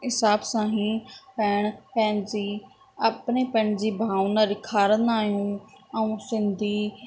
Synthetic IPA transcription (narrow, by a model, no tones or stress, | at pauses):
ɪsaːbsãːɦĩːpɛːɳpɛ̃ːnziː | apneːpɛ̃ːɳd͡ʒiːbʱaːunaːɾɪkʰaːɾənaːjũː | əũːsɪnd̪iː